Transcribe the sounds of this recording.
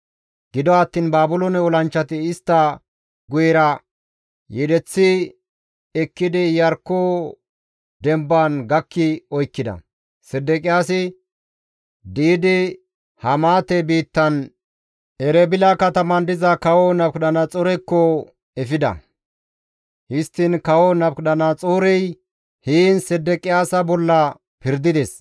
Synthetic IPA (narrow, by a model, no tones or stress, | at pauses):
ɡ̥ɪd̪ɔɐt̪ːiːnbaːbʊlɔnɛɔlɐnt͡ʃːɐt̪ɪɪst̪ːɐ | ɡʊjɛɾɐ | jɛd̪ɛt͡sːɪ | ɛkːɪd̪ɪjɐɾkːoː | d̪ɛmbanɡɐkːɪɔjkːɪd̪ɐ̰ | sɛd̪ːɛkʼɪjaːsɪ | d̪iːd̪ɪ | hɐmaːt̪ɛbiːt̪ːɐn | ʔɛɾɛbɪlakɐt̪ɐmɐnd̪ɪzɐkɐwɔnɐbkɗɐnɐt͡sʼɔɾɛkːɔ | ɛfɪd̪ɐ̰ | hɪst̪ːɪnkɐwɔnɐbkɗɐnɐt͡sʼuːɾɛj | hiːnsɛd̪ːɛkʼɪjaːsɐbɔlːɐ | pɪɾd̪ɪd̪ɛs